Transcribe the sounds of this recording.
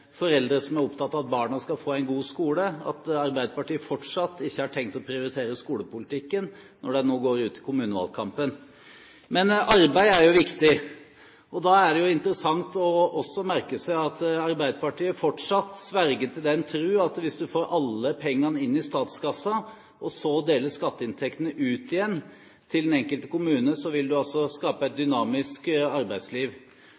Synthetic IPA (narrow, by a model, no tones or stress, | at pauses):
fɔɾɛld̪ɾəsɔmæɾɔpt̪ʰɑt̪ːɑːɑt̪̚bɑːɳɑskɑlfoːæɪnɡuːskuːləɑ̰t̪ɑɾbæɪd̪əpɑʈiːəfɔʈʂɑt̪ːɪçːəhɑʈʰɛŋk̚t̪ɔpʰɾɪʊɾɪt̪ʰeːɾəskuːləpʊlɪt̪ʰɪkːən | nɔɖɛnoːɡoːɾʉːt̪ʰɪ̥kʰʊmʉːnəʋɑ̰lkʰɑmpən | mɛnɑɾbæɪæɾjʊʋɪkt̪ɪ | ɔd̪ɑːæɖɛjʊɪnt̪əɾəsɑŋt̪ɔɔsːɔmæɾkəsæɪɑt̪ɑɾbæɪd̪əpɑʈiːəfɔʈʂɑt̪ːsʋæɾɡət̪ʰɪld̪ɛnt̪ʰɾʉːɑt̪ʋɪsd̪ʉfoːɾʔɑlːəpʰɛŋːɑnəɪnːɪst̪ɑːt̪skɑsːɑ | ʔɔsɔd̪eːləʂkɑt̪ːəɪnt̪ʰɛkt̪ənəʔʉːt̪ɪjɛnː | t̪ʰɪlɛnɛŋkəlt̪ə̥kʊmʉːnəsɔʋɪld̪ʉɑlsɔskɑːpəæɪt̪̚d̪ʏnɑːmɪskɑɾbæɪsliːʋ